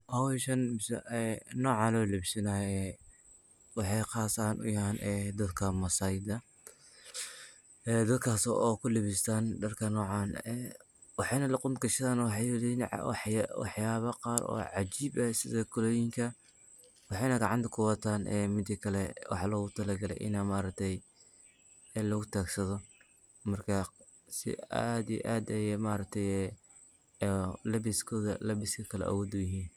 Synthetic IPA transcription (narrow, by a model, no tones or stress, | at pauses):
ʔɐwɛʃɐnmɪsɛ̰ɛnɔːʕɑlɔːlɪbsɐnaːɛ | wɑħɑjqɑːsaːnʊ̰jɐhaːnʔɛd̪ɐd̪kʰɐmɐsaːjɪd̪ɐ | ɛːd̪ɐd̪̚kʰaːsɔ̰ʔɔːkʰʊlɪβɪst̪ʰandɐrkʰɐnɔːʕɑːnɛː | wɑħɑjnɐlɑqʊnɡɐʃt̪aːnwħɑjwðɛnʕ̰wɑħwɑ̰ħjaːβɐqɑːɾɔ̰ːʕɑt͡ʃiːbɐsɪðɐkʰɔlɔːjɪŋkʰɐ | wɑħɑjnɐɡɑʕɑnt̪ʰɐkʰʊwɑt̪ʰaːnʔɛ̰ːmɪd̪ikʰɐlɛwʔɑ̰ħlɔːɣʊt̪ʰɐlɐɡɐlɛ̰jʔɪ̰namaːɾɐk̚t̪ʰɛj | ɛlɔɣʊt̪ʰaːɡsɐðɔ | mɐrkʰɐ | sɪ̰a̰d̪ḭʔaːd̪ɐjɛmaːɾɐk̚t̪ʰɛjɛ | lɐbɪskʰɔːðɐ̰lɐβɪskʰɐkʰɐlɛ̰ʔɐ̰wɔːd̪ʊjɪɦiːn